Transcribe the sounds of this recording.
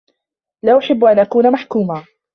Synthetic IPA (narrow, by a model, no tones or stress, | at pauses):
laːʔʊħɪbːʔanʔakuːnamaħkuːmaː